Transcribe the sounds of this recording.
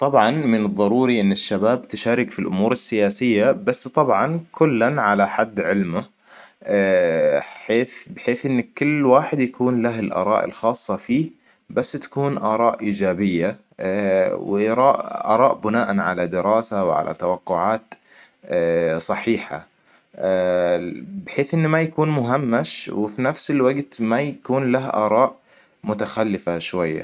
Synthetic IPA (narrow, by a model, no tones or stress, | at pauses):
t̪ˤɑbʕɑnmɪnɨðˤːɑɾˤuːɾiʔɪnːɪʃːabaːbt̪ɪʃaːɾɪkfilʔʊ̰muːɾɪsːɪjaːsɪjːabasːt̪ˤɑbʕɑnkʊlːanʕalaħad̪ːʕɪlmʊ | ħeːθbɪħeːθʔɪnːkːʊlːwaːħɪd̪jakuːnlaɦɪlʔɑ̰ːɾˤɑ̰ːʔɪ̰lxɑːsˤːɑfiː | basːt̪ḁkuːnʔɑːɾˤɑːʔʔiːd͡ʒaːbɪjːa | wʔɑɾˤɑːʔʔɑ̰ːɾˤɑːʔbʊnaːʔanʕa̰lad̪ɪɾɑːsawʕa̰lʔa̰t̪awɑqːʊʕaːt̪ː | sˤɑħiːħa̰ | bħeːθʔɪnːmajakuːnmʊɦamːaʃwɪfinafsɪlwaɡt̪majakuːnlaɦʔɑ̰ːɾˤɑːʔ | mʊt̪axalːɪfaʃwajːa̰